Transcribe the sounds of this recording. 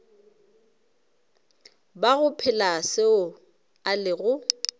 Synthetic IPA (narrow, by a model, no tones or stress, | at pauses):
baɣʊpʰɪlasɪʊ | alɪɣʊ